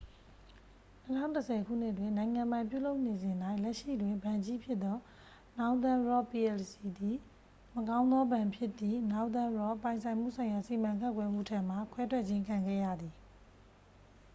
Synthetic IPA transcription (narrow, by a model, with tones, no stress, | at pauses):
nə˦tʰã̰˦ʊ̃ntə˨sʰɛ˨kʰṵ˦˨n̥ɪ˦ʔtwɪ̃˨nã˨ɪ̃ŋã˨mpã˨ɪ̃mpjṵ˦˨lo˦ʊʔne˨zɪ̃˨nda˦ɪʔlɛ˦ʔʃḭ˦˨dwɪ̃˨mbã˨ɲd͡ʑi˦pʰjɪ˦ʔ̪ɔ˦ | na˦ʊ̃nt̪ã˦ɹɔ˦˨pi˨ɛ˨lsi˨d̪i˨ | məkã˦ʊ̃nd̪ðɔ˦bã˨mpʰjɪ˦ʔt̪ːði˨na˦ʊʔ̪t̪ã˦ɹɔ˦pã˨ɪ̃nsʰã˨ɪ̃m̥ṵ˦˨sã˨ɪ̃ja˨si˨mã˨ŋkʰã˦˨kwɛ˦mṵ˦˨tʰã˦˨m̥a˨kʰwɛ˦tʰwɛ˦ʔt͡ɕʰɪ̃˦ŋkʰã˨ŋɡɛ̰˦˨jä̰˦˨d̪ði˨